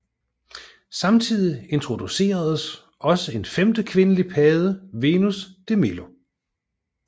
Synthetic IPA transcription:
sɑ̈mt͡sʰið̰ˠie̝nt͡sʰʁo̝d̥use̝̰ːɐð̞ˠəs | ʔɒ̽səe̝nfemd̥əkʰʋe̝nəlipʰɛːð̞ˠəʋe̝ːnusd̥e̝melo̝

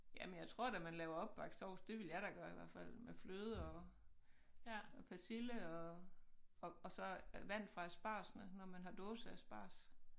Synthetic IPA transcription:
jæmenjɑ̈ɪt͡sʰʁo̝ɐ̰dæmænlɛːʊɐɒ̽b̥ːɑ̈ɡ̥sɒʊsd̥e̝ʋe̝ljɑ̈ɪɾɑɡ̥ɶɐiʋæɐ̰fæl̰mefløːð̞ˠəɒ̽ | ɒpʰæsiləɒ̽ | ɒ̽ːsɒ̽ʋæn̰d̥fʁɑ̈æsb̥ɑ̰̈ːsnənɒmænɦɑ̈d̥ɔːsəæsb̥ɑ̰̈ːs

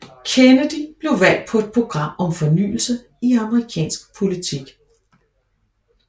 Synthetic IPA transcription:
kʰenəd̥ib̥le̝ʊʋæl̰d̥̚pʰɒ̽e̝d̥̚pʰʁo̝ɡ̥ʁɑ̈m̰ɒ̽mfɒ̽ny̰ːl̩sə | iɑ̈məʁikʰɛ̰ːnsɡ̥̚pʰo̝lit͡sʰiɡ̥

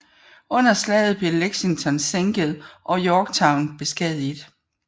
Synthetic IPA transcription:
ɔ̽n̰ɐslɛ̰ːɪð̞̩ˠb̥le̝leɡ̥siŋt͡sʰɒ̽nseŋɡ̥əð̞̩ˠʔɒ̽jɒːɡ̥̚t͡sʰɑ̈ʊnb̥e̝sɡ̥ɛð̰ˠid̥

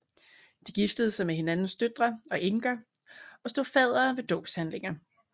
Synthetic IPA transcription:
d̥iɡ̥ifd̥əðˠsɑ̈ɪmeɦe̝nænn̩sd̥ød̥ʁɐɒ̽ʔeŋɡ̥ɐ | ɒ̽sd̥o̝fɛð̰ˠɐːʋe̝d̥ɔ̰̽ːb̥shænle̝ŋɐ

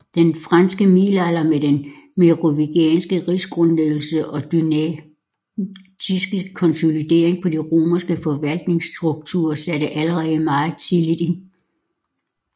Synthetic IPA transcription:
d̥enfʁɑnsɡ̥əmiːlælɐmed̥enmeʁo̝ʋiɡ̥ɛːnsɡ̥əʁisɡ̥ʁɔ̽nleɡl̩səʔɒ̥̽n | isɡ̥əkʰɒ̽nso̝lid̥e̝ɐ̰eŋpʰɒ̽diʁoːmɐsɡ̥əfɒ̽ʋæl̰d̥ne̝ŋsd̥ʁuɡ̥̚t͡sʰṵːɐsæɾ̥əʔæləʁɛð̩ˠmɑ̈ːɪð̩ˠt͡sʰilid̥in

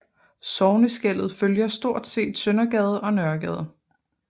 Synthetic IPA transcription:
sɒʊnəsɡ̥el̰ð̞̩ˠføljɐsd̥o̝ɐ̰d̥se̝̰ːd̥sønɐɡ̥ɛð̞̩ˠɒ̽nɶɐɡ̥ɛːð̞ˠ

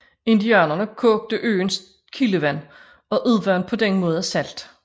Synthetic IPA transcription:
e̝nd̥iæːnɐnəkʰɔːɡ̥̚d̥əʔø̰ːns | kʰiləʋæn̰ | ɒ̽ʔuðˠʋɶɐnpʰɒ̽d̥enmɔ̽ːð̞ˠæsæl̰d̥

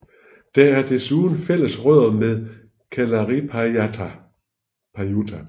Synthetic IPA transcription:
d̥ææɐd̥e̝suːðˠn̩fel̰əsʁœð̰ˠmeð̞ˠ | kʰælɐʁi | pʰɑjut͡sʰæ

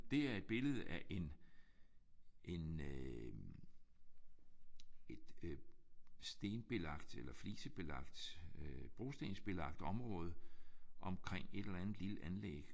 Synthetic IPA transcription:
d̥e̝æɐe̝d̥̚b̥e̝ləð̞̩ˠæʔe̝n | ʔe̝n | ed̥ | sd̥e̝ːnb̥e̝lɑ̈ɡ̥d̥elɐfliːsəb̥e̝lɑ̈ɡ̥d̥ | b̥ʁo̝sd̥e̝nsb̥e̝lɑ̈ɡ̥̚d̥ɒ̽mʁɔ̽ːð̞ˠʔɒ̽mkʰʁeŋ̰e̝d̥elɐænð̩ˠliləʔænleɡ̥

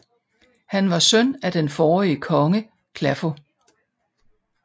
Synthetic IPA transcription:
hænʋɑ̈sønæd̥enfɒːiəkʰɒ̽ŋə | kʰlæfo̝

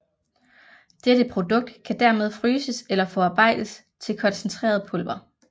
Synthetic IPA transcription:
d̥eɾəpʰʁo̝d̥ɔ̽ɡ̥̚d̥kʰæd̥æɐ̰me̝ð̞ˠfʁyːsəselɐfɒɑ̈ːb̥ɑ̈ɪ̰d̥əs | t͡sʰe̝lkʰɒ̽nsnt͡sʰʁḛːɐð̞ˠpʰɔ̽lb̥ɐ

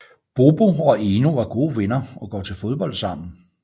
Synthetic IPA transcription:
b̥o̝b̥o̝ɒ̽enuʋɑ̈ɡ̥o̝ːʋenɐɒ̽ɡ̥ɒ̰ːt͡sʰe̝lfo̝ð̞ˠb̥ɒ̽l̰d̥sɑ̈m̰n̩

